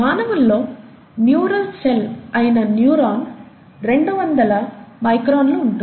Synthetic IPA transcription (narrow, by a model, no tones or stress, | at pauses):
maːnɐʋɐnloː | njuːɾɐlsɛlɐjnɐnjuːɾaːn | ɾɛɳɖɯʋɐnd̪ɐlɐmɐɪkɾoːnlɯʊɳɖu